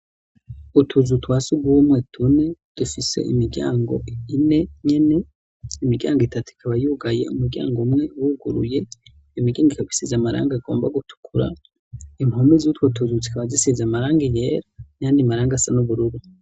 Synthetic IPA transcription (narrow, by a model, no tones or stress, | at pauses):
utʰuzutwaːsuɡwuːmwetʰune̞d̥ufise̞̰ʔḭmiɾɡɟa̰ːŋɡo̞̰ine̞ɲe̞ne̞ | imiɡɟa̰ːŋɡoitʰatuikʰaβajuɡaje̞̰umuɾɟa̰ːŋɡomŋe̞wuɡuɾṵje̞ | imiɡɟaːŋɡikaβi̥sizamaɾa̰ːŋɡaɡo̞ːmba̰ɡutʰu̥kʰuɾa̰ | imhomizutwotʰuzut͡si̥kaβazisizamaɾaːŋɡije̞ːɾanaːndimaɾaːŋɡasanuβuɾuɾu